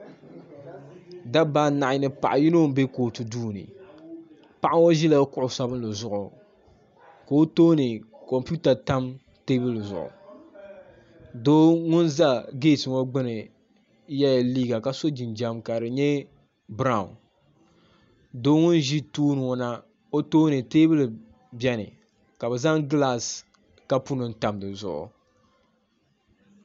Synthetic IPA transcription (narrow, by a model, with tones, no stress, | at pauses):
da˦baː˦na˨ʔɪ˨˦nɨ˦pa̰˨ʔa˨ji˦no˦m˦be˦ko˨tu˨duː˦nɨ̰˨ | pa˦ʔa˦ŋwo˦ʒi˦la˦kʊ˦ʔʊ˨sa˦bɨ˦n˦lɨ˨zʊ˦ʔʊ˨ | ko˨o˦toː˦nɨ˨ | kɔ˨mpu˦ta˨ta˦m | te˦bɨ˦lzʊ̰˨ʔʊ̰˨ | doː˦ŋʊ˦nza˦ɡeː˦˨tɨ˨wo˦ɡ͡bɨ˦nɨ˨ | jɛ˦jliː˦ɡa˨ka˨so˦d͡ʒi˨nd͡ʒa˦mka˨ɾɨ˨ɲɛ˦ | bɾa˦˨ʊ˨n | doː˦ŋʊ˦n˦ʒi˦tuː˦nɨ˨o˨na˦ | o˦toː˦nɨ˨te˦bɨ˦l | bjɛ˦nɨ̰˨ | ka˨bɨ˨za˦ŋɡla˦˨s | ka˦pu˦nɨ˨n˦ta˨mdɨ˨zʊ̰˨ʔʊ̰˨